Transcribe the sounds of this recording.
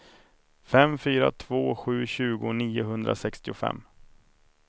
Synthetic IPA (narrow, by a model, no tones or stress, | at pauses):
fɛmfyːɾat̪ʰv̥oːɧʉ̟ːɕʉ̟ːɡʊniːʊɦɵnd̪ɾʔa̰sɛkst̪ɪʊfɛ̰mː